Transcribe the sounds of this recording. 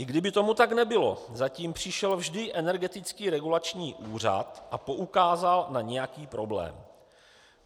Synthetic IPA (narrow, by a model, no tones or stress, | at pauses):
ʔɪɡdɪbɪt̪o̞mut̪aknɛbɪlo̞̰zaciːmpr̝̥ɪʃɛlvʒdɪʔɛnɛɾɡɛt̪ɪt͡skiːɾɛɡulat͡ʃɲiːʔuːr̝a̰t̪ʔapo̞ʔukaːzalnaɲɛjakiːpɾo̞blɛ̰ːm